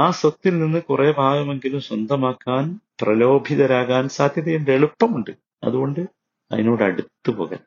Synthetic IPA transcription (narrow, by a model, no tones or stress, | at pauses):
aːsot̪ːilninːɨkurʔeːbʱaːɣɐme̞ŋɡilumɕwɐnd̪ʱɐmaːkːaːnprɐlo̞ːbʱiðɐɾaːɣaːnsaːd̪ʱjɐðɐjunɖeɭupːɐmuɳɖɨ | ɐ̰ðuɣo̞ɳɖɨ | ɐ̰ðino̞ːɽɨɐ̰ɽut̪ːupo̞ːɣa̰ːn